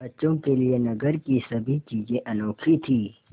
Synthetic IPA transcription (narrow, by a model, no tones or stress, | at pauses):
bɐt͡ʃõkelienɐɡəɾkisɐbʱit͡ʃiːzẽʔɐnoːkʰit̪ʰiː